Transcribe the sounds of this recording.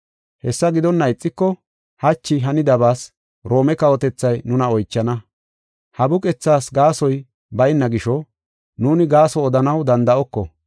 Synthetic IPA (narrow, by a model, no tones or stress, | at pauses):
hɛsːɐɡɪd̪ɔnːɐɪt͡sʼːɪkːɔ | hɐt͡ʃːɪɦɐnɪd̪ɐbaːs | ɾo̞ːmɛkɐwɔt̪ɛt͡sːɐjnʊnɐɔjt͡ʃːɐnɐ | hɐbʊkʼɛt͡sːaːsɡaːsɔj | bɐjɪnːɐɡɪʃɔ | nuːnɪɡaːsɔːd̪ɐnɐwd̪ɐnd̪ɐʔɔkːɔ̰